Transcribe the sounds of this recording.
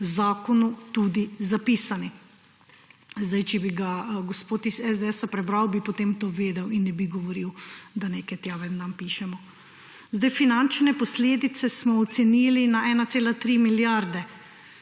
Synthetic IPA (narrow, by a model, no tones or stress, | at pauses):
zaːkɔnut̪uːd̪izapiːsani | zd̪ajt͡ʃɛbiɡaɡɔspoːt̪isɛzd̪ɛɛsapɾɛbɾawbipɔt̪eːmt̪oːʋeːd̪ɛwinːɛbiɡɔʋɔɾiwd̪aneːkɛt̪jaːʋɛnampiːʃɛmɔ | zd̪ajfinant͡ʃnɛpɔsleːd̪it̪sɛsmɔɔt̪sɛniːlinaʔɛːnat̪seːlat̪ɾiːmiljaɾd̪ɛ